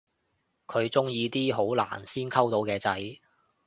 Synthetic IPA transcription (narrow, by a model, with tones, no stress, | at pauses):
kʰɵ˨˧ɥt͡sʊ˥ŋjiː˧t̪iː˥ɦo˨˥wla̰ː˨˩nsiː˥nkʰɐ˥wt̪o˨˧wkɛː˧t͡sɐ˨˥j